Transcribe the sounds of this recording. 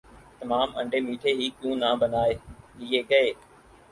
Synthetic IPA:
t̪əmaːmə̰̃ɳɖʱeːmiːʈʰeːɦiːkjũːnãːbənaːeːiːeːkɐeː

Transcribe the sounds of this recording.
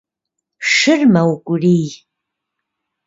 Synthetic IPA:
ʂɨrmɐwkʷʼʊriːj

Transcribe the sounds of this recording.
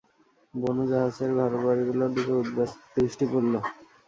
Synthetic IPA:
bonud͡ʑaɦad͡ʑeɾɡʱaɾobaɾiɡulod̪ekʰeud̪d̪ɾiʃʈipolːo

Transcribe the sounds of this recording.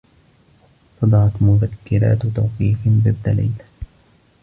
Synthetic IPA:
sɑd̪ˤɑʕɑt̪mʊðakːɪɾa̰ːt̪t̪awqiːfbɪðːalḭːla

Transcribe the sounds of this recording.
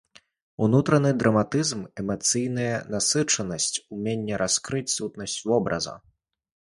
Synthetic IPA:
unut̪ɾɐnɨd̪ɾɐmat̪ɨzmɛmɐt̪sɨjnɨjɐnasɨt͡ʂɐnɐsʲt͡sʲumʲenʲːɛɾʔaskɾɨt͡sʲsut̪̚nɐsʲt͡sʲvɔbɾɐ̰zɐ̰

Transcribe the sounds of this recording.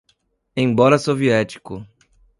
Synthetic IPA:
ẽj̃bɔɾɐsoviɛt͡ʃi̥kʊ

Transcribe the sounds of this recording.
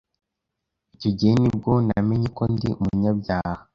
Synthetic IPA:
icoɟenib̚ɡo̞nameɲeko̞ndḭumuɲabɟaːha

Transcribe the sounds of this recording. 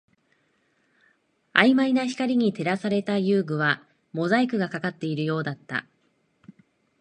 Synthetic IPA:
aimainaçi̥kaɾʲiɲ̟it̪e̞ɾasaɾe̞t̪ajɯːɡɯ̟βa | mo̞zaikɯ̟ɡakakat̪ːe̞iɾɯ̟jo̞ːd̪at̪ːa̰

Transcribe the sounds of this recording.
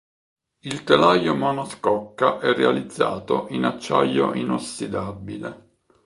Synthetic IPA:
ilt̪elajomɔnoskɔkːaʔɛrːealid̪zːa̰ːt̪oʔinat͡ʃːa̰jːo̰ʔinosːid̪abːile

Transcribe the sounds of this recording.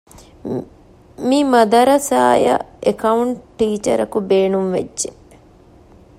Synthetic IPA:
mimɐd̪ɐɾɐsa̰ːjɐ̰ekɐuɳʈʈːiːt͡ʃɐ̰ɾɐkubeːnumʋḛd͡ʒd͡ʒːe

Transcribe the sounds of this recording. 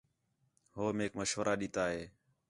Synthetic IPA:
ɦoːmeːkməʃʋəɾʔaːɗiːt̪aːɦeː

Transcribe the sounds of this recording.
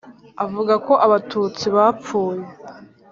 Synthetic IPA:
avuɡako̞ʔaβatuːt͡siβafuːje

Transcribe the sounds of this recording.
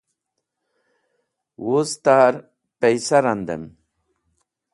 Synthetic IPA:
wozt̪aɾ | pejsaɾand̪ḛm

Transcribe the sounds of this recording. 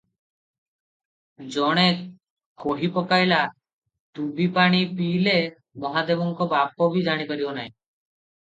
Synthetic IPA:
d͡ʒɔɽ̃e | koɦipɔkajla | ʈ̪ubipaɽ̃ipiːle | mɔɦad̪ebɔŋkɔbap̚ɔbid͡ʒaɽ̃ipaɾibɔnaẽ

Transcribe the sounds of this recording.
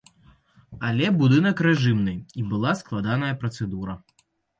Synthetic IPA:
alʲɛbud̪ɨnɐkɾɛʐɨmnɨibɨlˠasklˠad̪anɐjɐpɾɐt̪sɛd̪uɾɐ

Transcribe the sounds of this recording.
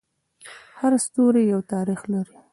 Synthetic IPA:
haɾst̪oɾejawt̪ɑɾixlaɾi

